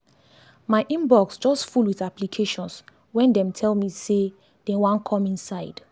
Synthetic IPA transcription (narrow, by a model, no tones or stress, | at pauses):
maɪʔĩmbɔksd͡ʒɔstfulwiθaplikʰeʃɔ̃ns | wɛ̃ndɛ̃mtʰɛlmise | d̥ɛwãnkʰɔ̃mĩnsaɪd̥